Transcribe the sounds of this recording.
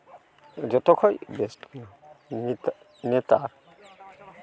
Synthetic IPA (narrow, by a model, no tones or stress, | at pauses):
d͡ʒɔt̪ɔkʰɔjbestkinɔ | nɛta